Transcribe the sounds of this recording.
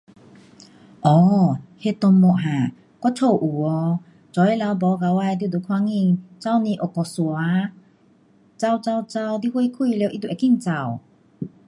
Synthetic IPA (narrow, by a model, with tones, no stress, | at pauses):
ʔɔː˨˩he˧˨t̪ɔ˧ŋmɔ˧˨ʔɦã˨˩˨ | kwa˧˥t͡sʰo˧˩wʔu˨˩ɔ˧ | t͡sɔ˨˦ji˦˥la˨˧˦wbɔ˨˦ka˨˧wa˧˨jd̪jd̪u˧˨kʰwa˧˥˦ŋi˧˨ŋt͡sa˧˨wni˧ʔɔ˨˩kɔ˨˩swa˧˦ | t͡sa˧wt͡sa˧wt͡sa˧wd̪i˧˨hwe˧˦kʰu˧˨le˧˨ʔi˧˥˨t̪u˧˨˩ki˥˨ŋt͡sa˧˩w